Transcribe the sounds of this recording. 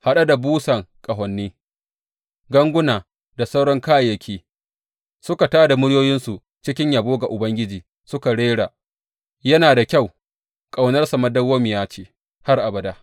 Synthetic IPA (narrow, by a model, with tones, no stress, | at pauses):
ha˨ɗa˦da˨buː˦sɐ˨ŋkʼɐ˨ɦɐ˨nːiː˦ | ɡɐ˦ŋɡʷʊ˦naː˨ | da˨sa˦wɽɔ˦ŋkaː˦jjɐ˦kʲʰiː˦ | sʊ˦ka˨taː˦da˨mʊ˦ɽjoː˦jɪ˦nsu˨ | t͡ʃɪ˦kʲɪ˦ɲjaː˨boː˦ɡa˨ʔʊ˨bɐ˦ŋɡʲɪ˦d͡ʒiː˨ | sʊ˦ka˨ɽeː˦ɽa˨ | jɐ˦naː˨da˨kʲa˦˨w | kʼa˨wnɐ˦rsa˨mɐ˦dɐ˦wːo˦mɪ˨jaː˦t͡ʃeː˨ | ha˦rʔa˨bɐ˨da˦